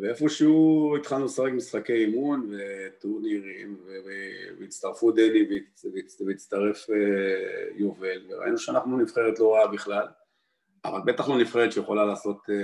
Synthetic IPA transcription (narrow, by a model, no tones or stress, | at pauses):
veefoʃeuit̪χalnusaʁekmisχakejimunvet̪uʁniʁimvevevjit͡st̪aʁfud̪enive | veit͡svejit͡st̪aʁe̞fejovelveʁa̰ʔḭnuʃeanaχnunifχe̞ʁet̪lo̞ʁaabiχlal | a̰va̰lbe̞t̪aχlo̞nifχeʁet̪ʃejeχo̞lalaːso̞t̪